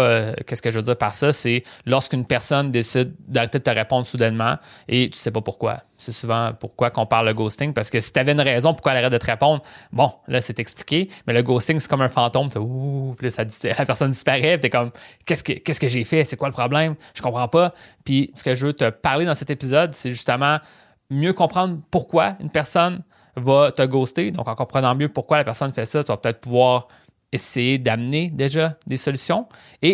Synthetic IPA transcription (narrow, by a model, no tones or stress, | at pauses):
kʲɛskəʒvəd͡ziːʁpaʁsʌselɔʁskynpɛʁsɔnd̪esɪd̪̚d̪aʁet̪ed̪ət̪əʁepɔ̃d̪ʁsud̪ɛnmɑ̰̃et̪y̥sɛpɔpuʁkwa̰ | sɛsuvɑ̃puʁkwakɔ̃paʁlːəɡost̪ɪŋpaʁsə̥kəsi̥t̪yavɛynʁɛːzɔ̃pʊ̥ʁkwaɛlaʁɛd̪ət̪əʁepɔ̃d̪ʁbɔ̃lʔʌsɛt̪ɛkspli̥kʲemɛləɡost̪ɪŋsɛ̥kɔmɛ̃fɑ̃t̪ɔ̃mt̪ɛpiləsaislapɛʁsɔnd̪ispaʁɛpit̪ɛkɔmkʲɛskəkʲɛskəʒefɛsɛkwaləpχɔblɛ̃mʒ̥ə̥kɔ̃pχɑ̃pʌpisə̥kəʒəvøt̪əpaʁled̪ɑ̃sɛt̪epizɔd̪sɛʒyst̪əmɑ̃ | mjøkɔ̃pχɑ̃d̪ʁpuʁkwaynpɛʁsɔn | vʌt̪əɡoːst̪ed̪ɔ̰̃kɑ̃kɔ̃pχənɑ̃mjøpuʁkwalapɛʁsɔnfɛsʌt̪yvɐpøət̪ɛːt̪̚ʰpuvwɑːʁ | esejed̪amned̪eʒʌd̪esɔlysjɔ̃ | e